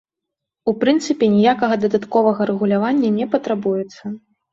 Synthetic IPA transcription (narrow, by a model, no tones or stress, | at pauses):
upɾɨnt̪sɨpʲɛnʲijakɐɣɐd̪ɐd̪at̪kɔvɐɣɐɾɛɣulʲavanʲːɐnʲɛpɐt̪ɾabujɛt̪sːɐ